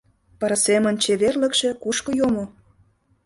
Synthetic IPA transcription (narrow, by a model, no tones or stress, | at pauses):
pəɾɤsemə̆nʲt͡ɕeβerlə̆kʃĕkuʃkŏjomo